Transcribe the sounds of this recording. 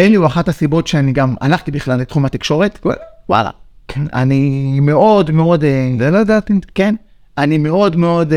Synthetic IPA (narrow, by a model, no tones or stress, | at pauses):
enliuaχathasibo̞tʃeaniɡama̰naχtibiχlalːet̪χumat̪ikʃo̞ʁetwa̰la̰kʰena̰nime̞o̞dmeo̞dzelojedaːt̪iken | anime̞o̞dme̞o̞d